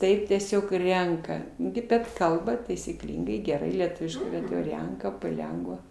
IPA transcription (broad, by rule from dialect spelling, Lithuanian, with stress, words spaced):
ˈtɐɪp tʲiɛˈsʲoːk ˈrʲɛŋkɐ ɡʲɪ bʲɛt ˈkɐlˠbɐ tɐɪsʲiːˈklʲiːŋɡɐɪ ɡʲɛˈrɐɪ lʲiɛˈtʊʋʲɪʃkɐɪ bʲɛt jɛʊ ˈrʲɛŋkɐ pɐˈlʲɛŋɡʋɐ